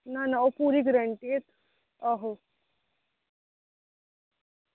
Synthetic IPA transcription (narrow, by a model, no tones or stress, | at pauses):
nanaʋopuɾiːɡɾəɳʈiet̪ | ɔɦo